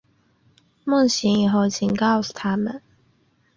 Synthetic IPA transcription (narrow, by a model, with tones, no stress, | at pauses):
mə˥˩ŋɕi˧˥ŋi˨˩ɦo˥˩ʊt͡ɕʰi˨˩ŋkɑ˥˩˨ʊsu̥˨˩t̪ʰa˦˥mə˨˦n